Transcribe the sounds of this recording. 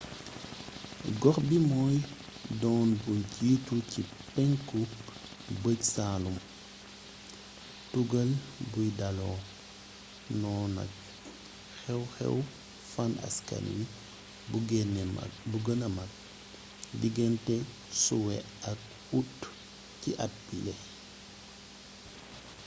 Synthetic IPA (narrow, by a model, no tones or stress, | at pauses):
ɡɔɾbimɔːj | dɔːnbunɟituci | pɛŋku | bəcsaːlum | tuɡɐlbujdalɔ | nɔːna̰k̚ | xɛwxɛ̰w | fana̰ska̰ɾḭ | uɡɛn̰buɡənɐmak̚ | diɡɛntɛ | suwɛ̰ | ɐk̚ | ut | ciʔat̚bilɛ